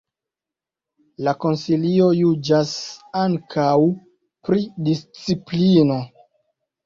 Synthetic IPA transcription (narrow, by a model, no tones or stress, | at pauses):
lako̞nsilio̞jud͡ʒasaŋkʰaw | pɾidist͡siplino̞